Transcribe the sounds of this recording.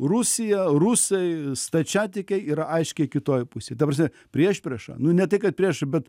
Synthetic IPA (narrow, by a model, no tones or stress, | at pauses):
rusʲɪjɛrusɐɪst̪ɐt͡ʃʲæːt̪ʲɪkʲɛɪiːɾɐʔɐɪʃʲkʲɛɪkʲɪt̪oːjpʊsʲeːt̪ɐprɐsʲmʲɛ | pʲɾʲiɛʃʲpʲɾʲeʃɐ̰nʊnʲɛt̪ɐɪkɐt̪̚pʲɾʲiɛʃbʲɛt̪